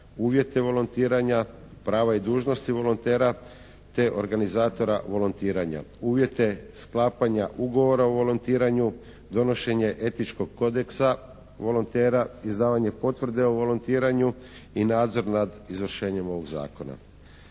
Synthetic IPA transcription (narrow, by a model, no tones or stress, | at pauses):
uːʋje̞t̪e̞ʋo̞lont̪iːɾaɲa | pɾaːʋaid̪uːʒno̞st̪iʋo̞lont̪e̞ːɾa | t̪e̞ʔo̞ɾɡanizaːt̪o̞ɾaʋo̞lont̪iːɾaɲa̰uːʋje̞t̪e̞sklaːpaɲaʔuɡo̞ʋo̞ɾaoʋo̞lont̪iːɾaɲu | d̪o̞no̞ʃe̞ɲe̞ʔe̞t̪it͡ʃko̞ɡ̚ko̞d̪eksa | ʋo̞lont̪eːɾaizd̪aːʋaɲe̞po̞t̪ʋr̩d̪e̞oʋo̞lont̪iːɾaɲu | inaːd̪zo̞ɾnad̪izʋr̩ʃe̞ːɲe̞mo̞ʋo̞ɡza̰ːko̞na̰